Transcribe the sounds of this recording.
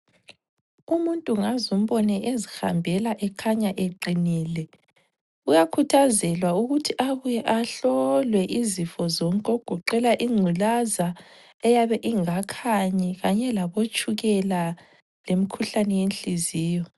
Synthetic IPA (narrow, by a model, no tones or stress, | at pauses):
umuntʼuŋazum̩βɔnɛʔezixa̰mbʱɛlaʔɛkʰaɲaʔeǃiniːlɛ | ujakʰutʰazɛlwauɣutʰiʔaβujɛʔaɬɔlwɛʔizifɔzɔŋkʼoɡ̥ʱuǃɛlaʔiŋ͡ǀʱulaza | ɛjaβɛʔiŋakʰaɲɛɣaɲɛlaβot͡ʃʼuɣɛla | lemikʰuɬanɛjenɬiziːjɔ